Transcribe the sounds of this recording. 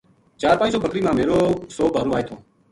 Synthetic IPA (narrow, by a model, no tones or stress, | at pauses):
t͡ʃaːɾpãːsoːbʱəkɾiːmãːmeːɾoːsoːbʱaːɾoːaːɦeːt̪ʰoː